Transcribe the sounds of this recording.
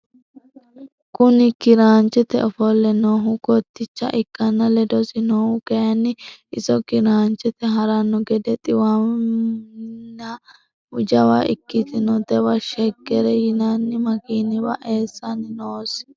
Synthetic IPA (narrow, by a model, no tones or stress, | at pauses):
kʊnɪkɪɾaːnt͡ʃːɛt̪ɛ̰ɔfɔlːɛnoːɦʊkɔt̪ːɪt͡ʃːɐ̰ʔɪkːɐnːɐlɛd̪ɔsɪnoːhʊkɛjɐnːɪɪsɔkɪɾaːnt͡ʃːɛt̪ɛɦɐɾɐnːɔɡɛd̪ɛt̪ʼɪwa | nɐ | ʊd͡ʒɐwaʔɪkːɪt̪ɪnɔd̪ɛwɐʃɛkːɛɾɛjɪnanːɪmɐkiːnɪbɐ̰ʔeːsːɐnɪnoːs